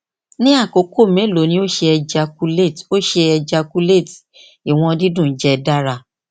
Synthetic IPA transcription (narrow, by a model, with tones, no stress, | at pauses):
nĩ˦a˦˨ko˨˦kʰo˦˨mẽ˨˦˨lo˨˦nĩ˦o˦ʃe˧ɛ˧d͡ʒa˧ku˧le˦˨to˦ʃe˧ɛ˧d͡ʒa˧ku˧le˦˨t | i˨w̃ɔ̃˧di˦dũ˦˨˦d͡ʒɛ˦da˦ɾa˧